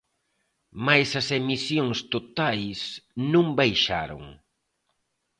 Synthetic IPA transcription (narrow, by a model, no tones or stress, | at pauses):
majsɐsemisjoŋst̪ot̪ajsnũŋbajʃaɾo̰ŋ